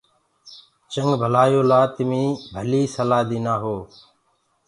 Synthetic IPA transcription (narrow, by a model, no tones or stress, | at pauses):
t͡ʃəŋɡbʱəlaːjoːlaːt̪ɪmĩːbʱəliːsəlaːd̪iːnaːɦoː